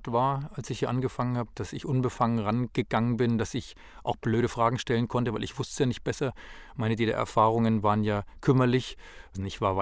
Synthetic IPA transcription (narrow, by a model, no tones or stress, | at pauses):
tv̥aːɐalsɪçhiɐʔanɡəfaŋənhaːbəd̥asɪçʔʊnbəfaŋənʁanɡ̥əɡ̥aŋənbɪndasɪç | ʔaʊxb̥løːɾəfʁ̥aːɡŋ̩ʃtɛlənkʰɔntəvaɪlɪçv̥ʊstəjaːnɪçt̚b̥ɛsɐmaɪnədiːlə̰ʔɛ̰ɐfaːʁ̞ʊŋənvaːʁənjaːkʰʏmɐlɪç | nɪçtv̥aːɐva